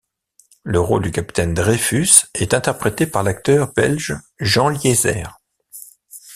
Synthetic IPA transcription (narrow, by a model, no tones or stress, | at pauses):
ləʁo̰ld̪ykapi̥t̪ɛnd̪ʁefysɛt̪ɛ̃t̪ɛʁpχet̪epaʁlak̚t̪œʁbɛlʒ | ʒɑ̃ljezɛ̰ːʁ